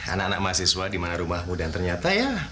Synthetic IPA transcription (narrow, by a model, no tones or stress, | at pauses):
a̰nakanak̚masiswadimanaɾumahmudant̪ərɲat̪aja